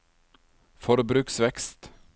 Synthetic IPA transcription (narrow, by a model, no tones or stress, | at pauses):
fɔɾbɾʉːksʋɛkst̪